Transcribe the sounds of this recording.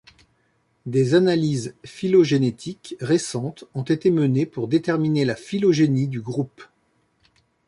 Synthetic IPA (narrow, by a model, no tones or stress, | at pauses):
d̪ezanalizfiloʒenet̪ʰikʁesɑ̃t̪ɔ̃t̪et̪emənepuʁd̪et̪ɛʁminelafilɔʒenid̪yɡʁup